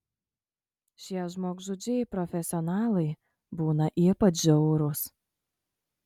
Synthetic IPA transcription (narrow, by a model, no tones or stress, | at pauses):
ʃʲiɛʒmoːɡʒʊd͡ʒʲɛɪpɾɔfʲɛsʲɪɔnɑːlˠɐɪ | buːnɐʔiːpɐt͡ʃʒʲɛʊɾʊs